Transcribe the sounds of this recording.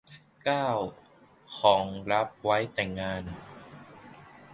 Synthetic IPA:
kaː˥˩w | kʰɔː˩˦ŋɾa˦˥p̚wa˦˥jt̪ɛː˨˩ŋːaː˧n

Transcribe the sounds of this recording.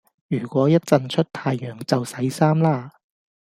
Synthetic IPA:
jyː˨˩kʷɔː˨˥jɐ˥t̚t͡sɐ˨˧nt͡ʃʰɵ˥t̚t̪ʰaː˧jːœː˨˩ŋt͡sɐ˨wsɐ˨˥jsaː˥mlaː˥

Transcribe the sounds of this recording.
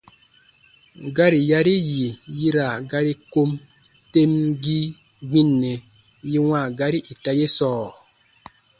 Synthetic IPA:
ɡa˦ɾi˨ja˦ɾi˦ji˨ji˦ɾa˨ɡa˦ɾi˦ko˦m | te˦mɡi˦ɡ͡bi˦nːe˨ji˦ŋʷa˦˨ɡa˦ɾi˦ʔi˨ta˦je˦sɔː˦˨

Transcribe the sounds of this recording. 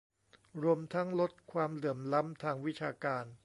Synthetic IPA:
ɾu˧əmt̪ʰa˦˥ŋlo˦˥t̪̚kʰwaː˧mlɯ˨˩˦mla˦˥mt̪ʰaː˧ŋwi˦˥t͡ɕʰaː˧kaː˧n

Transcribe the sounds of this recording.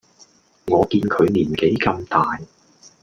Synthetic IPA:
ŋɔː˨˧kiː˧nkʰɵ˨˧ɥniː˨˩nke˨˥jkɐ˧mt̪aː˨j

